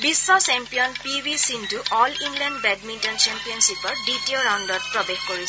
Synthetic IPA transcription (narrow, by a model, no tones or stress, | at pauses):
bisːɔsɛmpijɔnpiwisintuʔɔliŋlɛndbɛdmintɔnt͡ʃɛmpiɔnsipɔɹditioɹawndɔt̚pɹɔbexkoɹis